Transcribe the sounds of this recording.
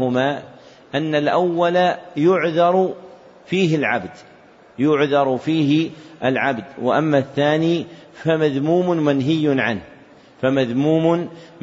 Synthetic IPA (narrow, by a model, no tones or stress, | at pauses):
ʊmaː | ʔanːalʔawːalajʊʕðɑɾˤ | fiːɦɪlʕa̰bd̪ | jʊʕðɑɾˤfiːɦɪʔalʕabd̪wɪ̰ʔamːaθːaːniːfamaðmuːmʊnmanɦɪjːʊnʕa̰nh | famaðmuːmʊn